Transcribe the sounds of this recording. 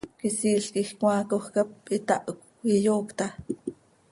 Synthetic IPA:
kisiːɬkixkw̃ɑːkoxkap̚it̪aʔok | ijoːkt̪a

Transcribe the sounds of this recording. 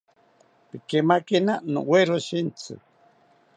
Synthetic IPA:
pikemakinano̰weɾoʃint͡sɨ̰

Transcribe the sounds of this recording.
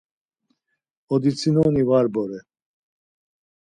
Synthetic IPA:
ɔd̪it͡sʰinɔnivaɾbɔɾɛ

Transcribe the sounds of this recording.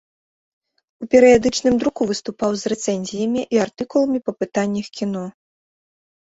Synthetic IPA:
upʲɛɾɨjad̪ɨt͡ʂnɨmd̪ɾukuvɨst̪upawzrɛt̪sɛnʲzʲijɐmʲiʔiart̪ɨkulˠɐmʲipɐpɨt̪anʲːɐxkʲinɔ

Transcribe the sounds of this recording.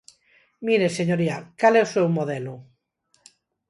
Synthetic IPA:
miɾeseɲoɾiakalɛusewmoðɛlu

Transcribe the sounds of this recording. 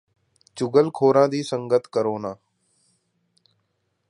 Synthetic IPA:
t͡ʃʊɡəlkʰoːɾãːd̪iːsəŋɡət̪ʰkəɾoːnaː

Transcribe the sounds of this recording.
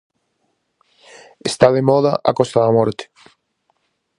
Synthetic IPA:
est̪aðemɔðaʔa̰kost̪aðamɔɾt̪e̥

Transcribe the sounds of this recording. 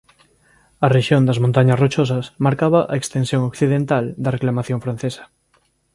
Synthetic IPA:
ɐreʃjond̪ɐzmõnt̪aɲasrot͡ʃosasmaɾkaβaʔaekst̪ensjõŋokθiðent̪ald̪areklamaθjõɱfɾan̟θesɐ̥

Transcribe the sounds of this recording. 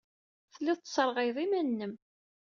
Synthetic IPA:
θlːiðˤt͡s̪ːsˤəɾˤʁæjðˤimænːəm

